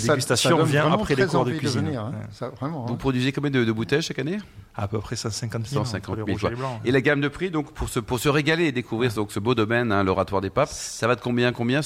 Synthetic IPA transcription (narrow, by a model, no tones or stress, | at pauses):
d̪eɡyst̪asjɔ̃vjɛ̃apχɛleɔʁd̪əkiziniɛ̃savʁɛmɑ̃vupχɔd̪ɥizjekɑ̃mɛmd̪əd̪əbut̪ɛjʃakaneapøpχɛsɑ̃sɛ̃kɑ̃t̪sɑ̃sɛ̃kɑ̃lmilkwalɑ̃elaɡamd̪əpχid̪ɔ̃kpʰuʁsəpuʁsəʁeɡaleːd̪ekuvʁiʁd̪ɔ̃ksəbod̪ɔmɛnɛ̃lɔʁat̪waʁd̪epapsavad̪əkɔ̃bjɛ̃kɔ̃bjɛ̃